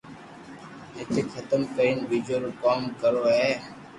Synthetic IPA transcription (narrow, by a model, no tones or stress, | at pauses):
ɪt̪ʰeːkxʰət̪əmkəɾiːnbiːd͡ʒoːɾoːkaːmkəɾoːɦeː